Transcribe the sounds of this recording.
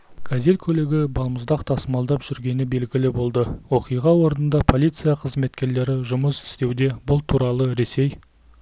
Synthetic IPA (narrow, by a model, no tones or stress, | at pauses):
kʰazelkʲʰɵleɡʲɪbɑlˠməzd̪ɑqt̪ʰɑsəmɑlˠd̪ɑpʒ̥ʏɾɡʲe̞nɪbe̞lɡʲɪlɪbo̞lˠd̪əwo̞qijʁɑwo̞ɾənənd̪ɑpʰo̞lʲijt̪sɨjɑqʰəzme̞t̪kʲe̞ɾle̞ɾɪʒʊməsɪ̥st̪e̞wd̪e̞bʊlˠt̪ʰuɾɑlˠəɾe̞se̞j